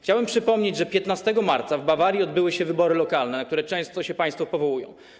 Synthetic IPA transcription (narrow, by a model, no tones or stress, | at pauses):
xt͡ɕawɛmpʂɘpɔmɲed͡ʑʐɛpʲjɛt̪nast̪ɛɡɔmaɾt̪savbavaɾʲjiɔd̪̚bɘwɘɕɛvɘbɔɾɘlɔkalnɛnakt̪uɾɛt͡ʂɛ̃w̃st̪ɔɕɛpaj̃st̪fɔpɔvɔwujɔ̰̃w̃